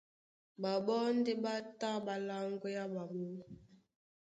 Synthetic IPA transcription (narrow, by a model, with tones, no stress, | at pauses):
ba˨ɓɔ˦n̩˦de˦ɓa˦ta˦ba˨la˦ŋɡo˦ja˦ɓa˨mo˦